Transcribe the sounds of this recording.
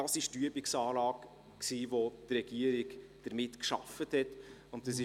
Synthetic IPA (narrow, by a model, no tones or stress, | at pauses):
ɑsɪʃtyəbɪksɑːlɑːk | ksiːvod̥rɛɡ̥iəɾɪɡd̥əɾmɪtkʃɑ̰fəthɛtʊntɛsɪ